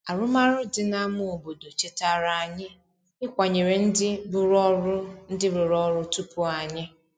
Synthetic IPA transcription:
a˨ɾʊ˦ma˦ɾʊ˦dɪ˨na˦mʊ˦o˨bo˨do˨t͡ʃe˦ta˦ɾa˨a˨ɲɪ˦ | ɪ˦kʷa˨ɲe˨ɾe˨n̩˦dɪ˦bʊ˦ɾɔ˦ɾʊ˦n̩˦dɪ˦ɾʊ˨ɾɔ˦ɾʊ˦tu˦pʊ˦a˨ɲɪ˦

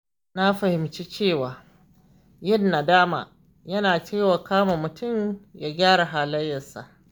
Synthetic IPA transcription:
na˦ɸɐ˨hɪ˨mt͡ʃiː˦t͡ʃeː˦˨waː˨ | jɪ˦nːa˨daː˦ma̰ː˨ | jɐ˦naː˨t͡ʃeː˦˨waː˨kaː˦ma˨mʊ˨tʰʊ˦mja˦ɡʲaː˦ɽa˨ɦaː˨lɐ˦jːɐ˨nsa̰˨ʔ

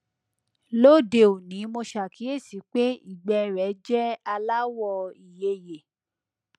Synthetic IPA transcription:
lo˦˨de˧˨o˨nĩ˨˦mo˧ʃa˨kʰi˨˦e˦˨si˨˦k͡pe˦ḭ˦˨ɡ͡bɛ˧ɾɛ˨˦d͡ʒɛ˦a˧la˦wɔ˦˧˨i˨je˧je˨

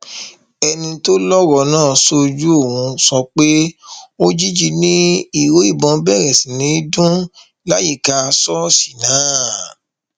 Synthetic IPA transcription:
ɛ˧nĩ˧to˦lɔ˦wɔ˨nãː˦˨so˧d͡ʒu˦o˦˨wũ˨˦sɔ˧k͡pe˦o˦d͡ʒi˦d͡ʒi˧nĩ˦i˦˨wo˨˦i˦˨bɔ̃˨˦bɛ˦˨ɾɛ˨sĩ˨nĩ˨˦i˦dũ˦ | la˦ji˦˨ka˧sɔ˦si̥˨nãː˨˦

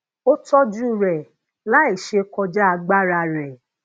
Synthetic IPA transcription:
o˦tɔ˦d͡ʒu˦˨ɾɛ˨ | la˨˦e˦˨ʃe˧kɔ˧d͡ʒa˦a˧ɡ͡ba˦ɾa˧˨ɾɛ˨

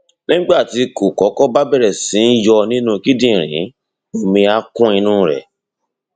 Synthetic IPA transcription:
nĩ˦ɡ͡ba˦˨ti˧ko˨kɔ˨˦kɔ˦ba˦bɛ˦˨ɾɛ˨sĩ˨˦n̩˦jɔ˧nĩ˦nũ˦ki˦dĩ˦˨ɾ̃ḭ̃˨˦ | o˦mĩ˧a˧kũ˦ĩ˧nũ˦ɾɛ̰˨

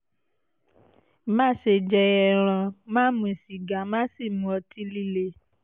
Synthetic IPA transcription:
mã˦ʃe˧d͡ʒɛ˧ɛ˧ɾ̃ã˧mãː˦mũ˧i˨si˨ɡa˨mã˦si˦˨mũ˨˦ɔ˧ti˧˦li˦le˧˦

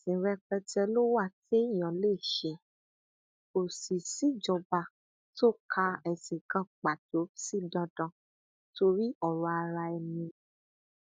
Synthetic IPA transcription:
sĩ˨˦ɾɛ˦k͡pɛ˧tɛ˧lo˦wa˦˨te˦i˦˨j̃ã˨le˦˨ʃɛ˧˦ | o˨si˨si˨˦d͡ʒɔ˧ba˧ | to˦˨kʰa˧ɛ˨se˨kã˧˨tk͡pa˨to˨˦si˦˨dã˧dã˦˨ | to˧ɾi˦ɔ˦˨ɾɔ̃˧a˧ɾa˧ɛ˧mĩ˧

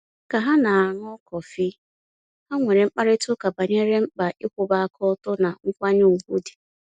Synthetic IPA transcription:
ka˨ɦa˦na˨a˨ŋ˦ɔ˦kɔ˨fi˦ | a˦ŋʷe˨ɾe˨ŋ͡m̩˦k͡pa˦ɾɪ˦tʊ˦ka˨ba˨ɲe˦ɾe˦m̩˦k͡pa˨ɪ˦kʷʊ˨˦ba˦a˦kʰɔ˦ɔ˦tʊ˦na˨ŋ̩˦kʷa˦ɲe˦˨ŋ̩˨ɡʷu˦di̥˨

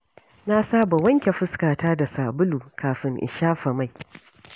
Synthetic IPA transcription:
na˦saː˦ba˨wɐ˦ŋkʲe˨ɸɪ˦skaː˨taː˦da˨saː˨bʊ˦luː˨kaː˨ɸɪ˦ŋʔɪ̰˨ʃaː˦ɸɐ˨ma˦˨j

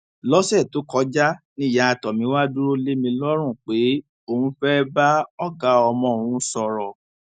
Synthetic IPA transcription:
lɔ˦sɛ˦˨to˨˦kɔ˨˧˦d͡ʒa˦ | nĩ˦˨ja˨a˧˨tɔ˨mĩ˨˧˦wa˦du˦ɾo˦le˦mĩ˧lɔ˦ɾ̃ũ˦˨k͡pe˨˦ | o˦˨hũ˧˦fɛ˦ba˦ɔ˦ɡa˨˦ɔ˧mɔ̃˧˦˨ũ˨˦sɔ˧˨ɾɔ˨

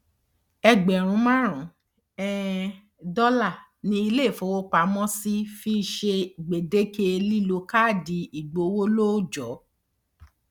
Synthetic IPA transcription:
ɛ˧ɡ͡bɛ˨ɾ̃ũ˨˧˦mã˦ɾ̃ũ˨˦ | ɛ˦ | dɔ˦la˦˨ | nĩ˧i˧le˦˨fo˧˦wo˦k͡pa˧˦mɔ̃˦si˦fi˦˧ʃe˧˨ɡ͡be˨de˦ke˧li˦lo˧˦ka˦˨di˨˧i˨ɡ͡bo˨˦wo˦lo˦d͡ʒɔ˨˦

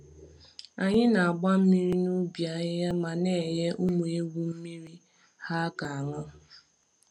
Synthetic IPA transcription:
a˨ɲɪ˦na˨a˨ɡ͡ba˦m̩˦mi˦ɾi˦nu˦bja˨˦ja˦ma˨ne˦˨je˦ʔʊ˦mu˨e˦ɡʷu˦m̩˦mi˦ɾi˦ | ha˦ka˨a˨ŋʊ˦

